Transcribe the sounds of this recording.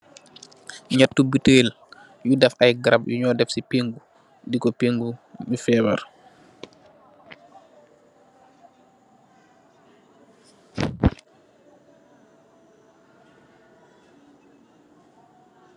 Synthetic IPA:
ɲatːubiteːl | judɛfajɡɾabjṵɲɔːdɛfsipeŋɡu | dikɔpeŋɡumifɛːba̰ɾ

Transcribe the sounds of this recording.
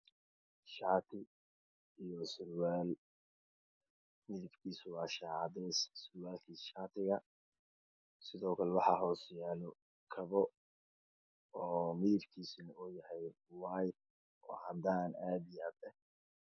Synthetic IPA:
ʃaːt̪ʰɪ | ijɔsʊlwaːl | mɪðɪbkʰiːswɑːʃɑːʕd̪ɛssɪlwaːlkʰiːsʃaːt̪ʰɪɣɐ | sɪðɔːkʰɐlɛwɑħɑɦɔːsjaːlɔ | kʰɐβɔ | ɔːmiɪɾkʰiːsnɐuːjɐhɛj | waːjd̪ | ʔɔːhɐnd̪aːnaːd̪ɪjaːd̪ɛ

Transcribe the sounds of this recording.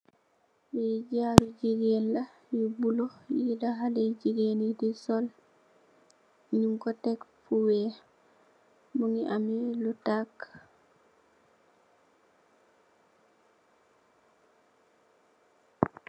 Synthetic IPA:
wɛd͡ʒaɾd͡ʒiɡenla | jubulɔjilaɦalɛd͡ʒiɡenidisɔl | ɲuŋkɔtɛkfuwɛ | muŋiʔamɛlutak

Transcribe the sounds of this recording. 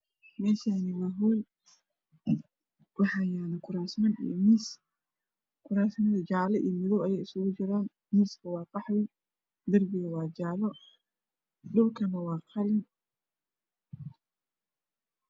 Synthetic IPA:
mɛːʃaːnɪmɐɦɔl | wɑħɑjaːnɐkʰʊɾaːsmɐnḭjɔmis | kʰʊɾaːsnɐðɐd͡ʒaʕlɛʔḭːmɪðɔwɐjɛːjɪsʊɣʊt͡ʃɪɾaːn | miːskʰɐwɑːqɑħjɛ | d̪ɐrbɪɣɐwɑːd͡ʒaːlɔ | ɖʊbkʰɐnɐwɑːqʰɑlɪn

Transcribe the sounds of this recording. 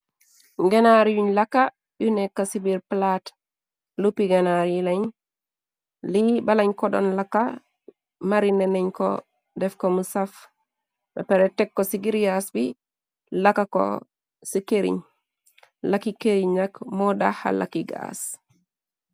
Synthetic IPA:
ŋɡɛnaɾijuɲlakːa | junɛkːasibiɾplat | lupːiɡɛnaɾlaɲ | libalaɲkɔdɔ̰nlakːa | maɾinɛnɛɲkɔ̰ | dɛfkomusaf | bɛpɛɾɛtɛkːɔsiɡiɾɡasbi | lakːakɔ̰ | sikeɾḭɲ | lakːikeɾiɲːakmɔda̰ha̰la̰kːiɡa̰s

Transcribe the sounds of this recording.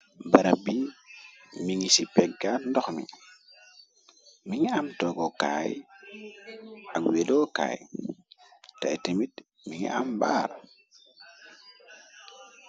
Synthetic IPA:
bɐɾɐbi | miŋisipɛɡaːndɔxmḭ | miŋiamtɔɡɔka̰j | aɡwedɔːka̰ːj | ta̰jtemit | miŋḭamba̰ːɾ

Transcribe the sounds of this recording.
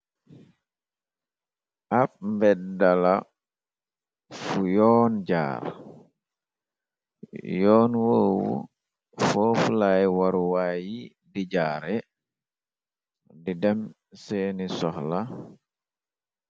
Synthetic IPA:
ʔap̚mbɛdala | fujɔːnd͡ʒa̰ːɾ | jɔːnwoːwṵ | foːfulajwaɾuwaːji | did͡ʒaːɾɛ | didɛm | senisɔhla

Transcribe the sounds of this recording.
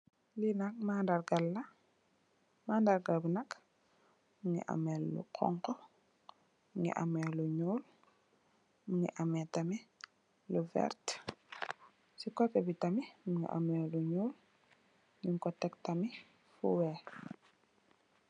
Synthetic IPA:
linak̚mandarɡalːɐ | maːndaɾɡabinak | muŋḭʔa̰mɛlːṵqʰɔ̰ŋkɔ | mŋḭʔa̰mɛluɲuːl | muŋḭʔamɛtami | luvɛ̰ɾt | sikɔpɛbitamimuŋḭʔa̰mɛluɲuːl | ɲiŋkɔtɛktami | fṵwɛ

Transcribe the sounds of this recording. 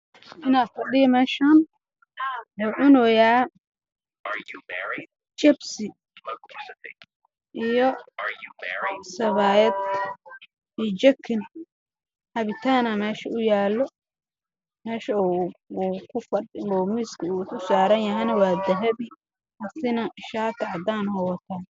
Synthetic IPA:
ʔɪnaːd̪fɐɗɪjɔmɛːʃaːn | wʊːʕʊnɔjaː | t͡ʃɛbsɪ | ʔijɔ | sɐβaːjɛd̪ | it͡ʃɐkʰːɪn | hɐβɪt̪ʰaːnɐmɛːʃɐʊjaːlːɔ | mɛːʃɐ | kʰʊfɐumɪskʰukʊsaːɾɐnjɐɦɐjnɐwaːd̪ɐɦɐβi | ʔɐsɪnɐʔɪʃaːt̪ʰɐʕɐd̪aːnhɔwɐt̪ʰaː

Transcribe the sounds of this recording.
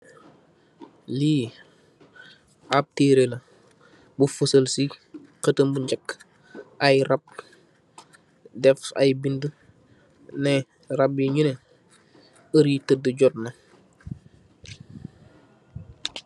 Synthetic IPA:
liː | ap̚teɾelɐ | bufusəlsiqətəmbuɲɟɐkː | ɐjɾɐp̚ | dɛfɐ̰jbində | nɛ | rɐbiɲunɛ | əɾitədəɟɔtnɐ

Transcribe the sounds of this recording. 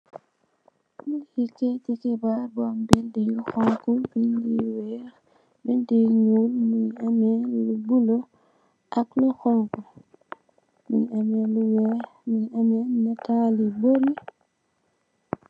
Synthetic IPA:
milhikːɛcɛkɛbaɾbɔmbildijuxɔŋkubindiwɛːɾ | bindiɲulmiɲamɛlubulo | ʔakluxɔŋku | miɲamɛluwɛmiɲamɛnataːliboɾi

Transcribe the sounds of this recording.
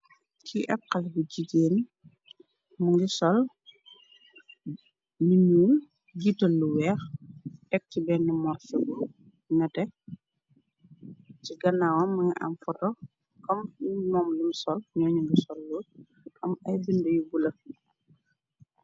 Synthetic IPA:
kiʔɛ̰kːɐlbuɟiɡeːn | muŋɡisɔl | niɲuːl | ɡitːɐlːuwɛːxʔɛk̚cibɛnːimɔrfɛɡul | nɐtɛ | ciɡɐnːaːwɐmːɐŋɡiʔa̰mfɔtɔ | kɐmmɔːmlumsɔlɲɔːɲuŋɡisɔlːu | ʔɐmɐjbindɐjubulɐ

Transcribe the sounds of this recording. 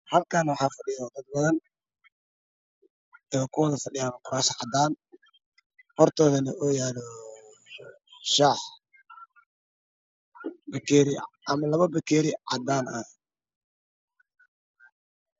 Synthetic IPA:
hɐlkʰanwɑħɑːfɐɖɪjɔd̪ɐd̪̚bɐðɐn | ɔkʰʊwɑðɐfɐɖɪjaːnkʰʊɾaːʃɐʕɑd̪aːn | hɔrt̪ʰɔːðɐnɐʔɔːjaːlɔ | ʃaːħ | bɐkʰɛːɾɪʔɐmɐlɐβɐbɛkʰɛːɾɪʕɑd̪aːnɐ̰

